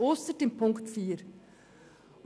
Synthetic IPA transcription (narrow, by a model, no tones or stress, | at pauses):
oːst̪ətɪnpʰʊŋktfiːɾ